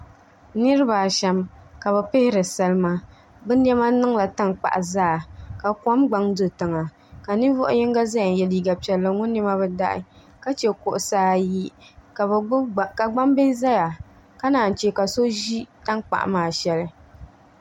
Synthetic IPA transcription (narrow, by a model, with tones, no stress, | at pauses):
nɨ˦ɾɨ˦ba˨ʃɛ˨mka˨βɛ˨pɪ˦hɪ˦ɾɨ˨sa˦lɨ˦ma˦ | bɨ˦n˦ɛ˦ma˦nɨ˦ŋla˨ta˦ŋk͡pa̰˨ʔzaː˦˨ka˨ka˦mɡ͡ba˨˦ŋdɨ˨tɨ˨ŋa˨ | ka˨nɨ˦vɔ˦ʔʊ̰˦jɪ˦ŋɡa˦za˦ja˨n˨jɛ˨liː˨ɡa˨pi˨ɛ˨lːɨ˨ŋʊ˦nːi˦ma˦bɛ˦da˦ʔɪ̰˨˦ | ka˦t͡ʃɛ˨kʊ˨ʔʊ˨saː˨˦ji˦˨˦ | ka˨ɡ͡ba˦mbe˦za˦ja˨ | ka˦naː˨n˨t͡ʃe˦ka˨so˦ʒi˦ta˦ŋk͡pa̰˨ʔmaː˨ʃɛ˦lɨ˦